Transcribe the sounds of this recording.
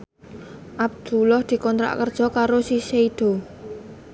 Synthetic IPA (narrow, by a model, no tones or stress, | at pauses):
ʔab̚d̪̥ulɔhd̪̥i̤kɔnt̪ɾa̰ʔkərd̥ʒ̥ɔ̤kaɾosiseid̪̥o̤